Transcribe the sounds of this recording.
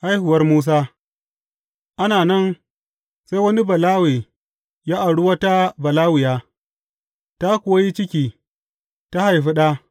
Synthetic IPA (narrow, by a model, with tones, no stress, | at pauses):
ʔa˦jhʊ˨wɐ˦rmuː˦s̬aː˦ | ʔa˦naː˨nɐ˦n | se˦jwɐ˦ni˦bɐ˨laː˦weː˨ | jaː˦ʔa˨ɽʊ˦wa˦ta˦bɐ˨laː˦wɪ˨jaː˦ | ta˦kʷo˨a˦ji˦t͡ʃɪ˦kʲiː˦ | ta˦ha˨jɸi˦ɗa˦